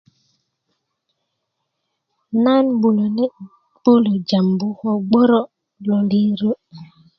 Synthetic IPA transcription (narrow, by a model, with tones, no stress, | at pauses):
na˦nbu˨lo˨nɛ˦ | b̥u˦lo˨d͡ʒa˨mbu˦hɔ˦˨ɡ͡bɔ˦ɾɔ˦ | lo˨li˦ɾo˦